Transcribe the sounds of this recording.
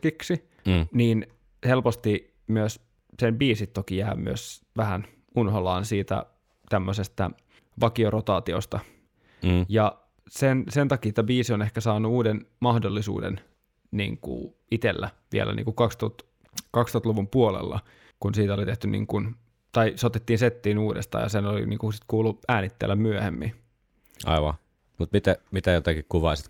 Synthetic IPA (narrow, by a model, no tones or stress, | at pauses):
kiksi | niːn | helpost̪i | myøs | sembiːsit̪ːokijæːmy̰øs | ʋæhæn | unholɑːnsiːt̪æ̰ | t̪æmːøsest̪æ̰ | ʋɑkiorot̪ɑːt̪io̰st̪ɑ | jɑ | sensent̪ɑkiːt̪æbiːsione̞hkæsɑːnuuːdenmɑhdolːisṵːdḛn | nḭːŋkṵ | it̪elːæʋḭḛlʔæ̰nʔḭːŋkukɑkst̪ot̪ | kɑkst̪ot̪luʋumpuolḛlːɑ̰ | kunsiːt̪æolit̪eht̪ynḭːŋkun | t̪ɑisot̪et̪ːiːnset̪ːiːnuːdḛst̪ɑ̰ːjɑ̰senolḭnḭːŋkusit̪kuːlːuæːnit̪ːḛlːæmmyøhemːḭn | ʔɑ̰iʋɑ̰ | mut̪mit̪æmit̪æjot̪ɑkikkuʋɑisit̪